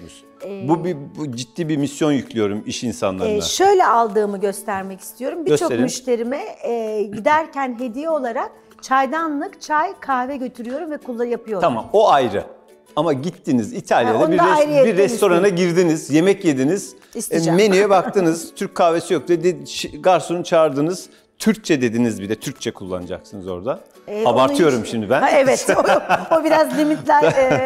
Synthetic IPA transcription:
bubid͡ʒit̪ːiːbimisjo̞njycʰʲlʲijo̞ɾumiʃinsa̰nlˠa̰ɾaʃø̞jlʲɛalˠd̪ɯːmɯɟø̞st̪ʰæɾmɛci̥st̪ʰijo̞ɾumbiøt͡ʃoemyʃt̪ʰe̞ɾimɛɟid̪æɾcʰænɦe̞d̪ijɛo̞lˠaɾak̚ | t͡ʃʰajd̪anlˠɯkt͡ʃʰajkʰahvɛɟøt̪ʰyɾyjo̞ɾumvɛkʰulˠːajapʰɯjo̞ɾʰama̰mo̞ajɾɯ̰ | amaɟit̪ʰːinizit̪ʰalʲjad̪bijɾjebiɾːɛst̪ʰo̞ɾanaɟiɾd̪inizje̞mɛcjed̪iniz̥ | isme̞nyjɛbak̚t̪ʰɯnɯz̥t̪ʰyɾc̚ʲkʰːahvesijok̚d̪iɛd̪eʃɡaɾsunut͡ʃʰaːɾd̪ɯnɯz̥ | t̪ʰyɾc̚t͡ʃʰɛd̪e̞d̪inizbid̪ɛt̪ʰyɾk̚t͡ʃʰɛkʰulˠːa̰nɯd͡ʒa̰ksɯnɯzo̞̰ɾd̪a | abaɾt̪ʰɯjo̞ɾumʃimd̪ibænɛvɛt̪obiɾazllʲimit̪lʲæɾ

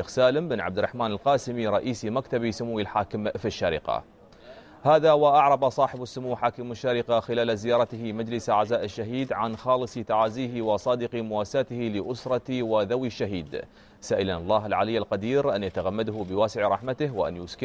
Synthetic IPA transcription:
eːxsaːlɪmbɪnʕa̰b̚d̪ɪɾrˤɑħmaːnɪlqɑːsɪmiɾˤɑʔiːsimakt̪abisʊmuwːɪlħaːkɪmfiʃːaɾḭqɑ̰ | haːðawaʔaʕɾˤɑbɑsˤɑːħɪbasːʊmuːħaːkɪmɪʃːaɾiqaxɪlaːlazɪjɑːɾˤɑt̪hmad͡ʒlɪsʔaʕzaːʔɪʃːaɦiːd̪ʕanxɑːlɨsˤit̪aʕaːziːhwɑsˤɑːd̪ɪqimʊwaːsaːt̪hilɪʔʊsɾˤɑt̪iwaðawiʃːaɦiːd̪ | saːʔɪlanɑlˤːɑːɦɪlʕa̰lɪjːalqɑd̪iːɾʔanjat̪aɣamːad̪hʊbɪwaːsɪʕɾˤɑħmat̪ɪwɪʔa̰njuskɪ

